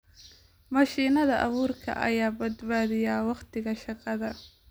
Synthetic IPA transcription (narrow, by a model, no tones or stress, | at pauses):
mɐʃiːnɐðɐʔɐβuːrkʰɐ̰ʔɐ̰jaːbɐd̪baːðɪjaːwɑqt̪ʰɪɣɐʃɑqɑðɐ